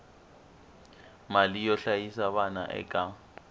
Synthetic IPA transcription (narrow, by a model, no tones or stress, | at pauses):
malijɔɬajisaβana̰ʔɛ̰kʼa